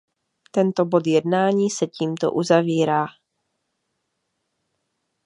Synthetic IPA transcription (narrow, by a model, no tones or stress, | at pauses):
t̪ɛnt̪o̞bo̞d̪jɛdnaːɲiːsɛciːmt̪o̰ʔuzaviːɾaː